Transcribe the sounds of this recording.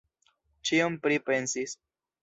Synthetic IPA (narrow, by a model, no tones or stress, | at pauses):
t͡ʃiompɾipe̞nsis